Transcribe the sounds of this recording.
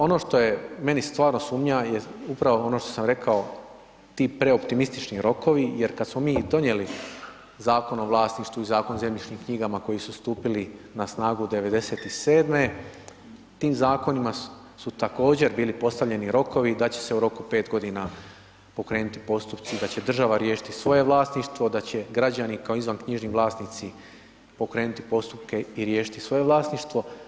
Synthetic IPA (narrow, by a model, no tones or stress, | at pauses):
o̞no̞ʃt̪o̞je̞me̞nist̪ʋaːɾno̞suːmɲajeupɾaʋo̞o̞noʃt̪o̞samɾe̞kʰao̞ | t̪iːpɾe̞o̞pt̪imist̪it͡ʃniɾo̞ko̞ʋije̞ɾkad̪smo̞miːd̪o̞njeli | zaːko̞noʋlˠaːsniʃt̪ʋuizaːko̞nze̞mʎit͡ʃɲiːmkɲiɡamako̞jisust̪uːpilinasnaːɡud̪e̞ʋe̞d̪eset̪ise̞ːd̪me̞ | t̪iːmzaːko̞nima | sut̪ako̞ːd͡ʑe̞ɾbiːlipo̞st̪aʋʎe̞niɾo̞ko̞ʋid̪at͡ɕe̞̥se̞uɾo̞kupe̞ːt̪ɡo̞d̪ina | po̞kɾeːnut̪i̥po̞st̪upt̪sid̪at͡ɕe̞d̪r̩ʒaʋaɾje̞ːʃi̥t̪isʋo̞je̞ʋlˠaːsniʃt̪ʋo̞d̪at͡ɕe̞ɡɾad͡ʑanikaoizʋankɲiʒniʋlˠaːsnit̪si | po̞kɾe̞ːnut̪ipo̞st̪up̚ke̞iɾje̞ːʃi̥t̪isʋo̞je̞ʋlˠaːsniʃt̪ʋo̞